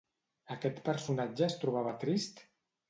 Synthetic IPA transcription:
əkɛt̪pəɾsunad͡ʒəːst̪ɾuβ̞aβət̪ɾist̪

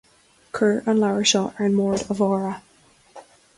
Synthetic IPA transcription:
kʰɜːɹʔə̃nlaʊə˞ʃɔʔə˞ɪ̃nmɔɹdəvɔɹə

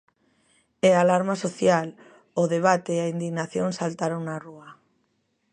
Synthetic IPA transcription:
ealaɾmasoθjal | oðeβ̞at̪eːaind̪iɣnaθjoŋsalt̪aɾoŋnarua

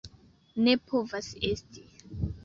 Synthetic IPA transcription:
ne̞pʰovase̞sti̥

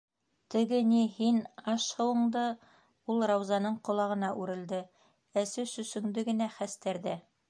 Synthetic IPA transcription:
t̪ɘ̆ɡɘnihinɑʃhɤ̆wɤ̆ɴd̪ɤ | ulˠɾɑwzɑnɤɴqŏlˠɑʁɤ̆nɑʔʉɾɘ̆ld̪ɘ | æsɘsɵ̆sɵ̆ŋd̪ɘɡɘ̆næχæst̪æɾðæ

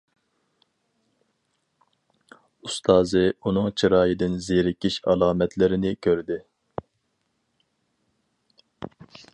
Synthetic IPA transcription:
ust̪ʰɑːzɨunʊŋt͡ʃʰiɾɑːjid̪ɪnzeɾɪkʲiʃɑ̰lˠɑːmɛt̪ʰlɪɾɪnɪkʲʰøɾd̪ɪ

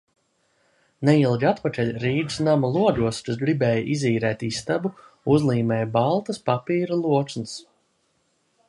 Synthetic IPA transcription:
neilˠɡʲat̪pakʲɛlʲɾiːd̪snamalˠuɔʎuɔskasɡɾibɛːjaʔiziːɾɛːt̪ist̪abu | uzlˠiːmɛːjbalˠt̪ɐspapiːɾalˠuɔt͡ʃ̪ns

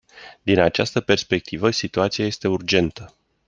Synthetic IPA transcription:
d̪inat͡ʃast̪əpe̞rspe̞k̚t̪ʰivəsit̪uat̪siaje̞st̪e̞urd͡ʒe̞nt̪ə

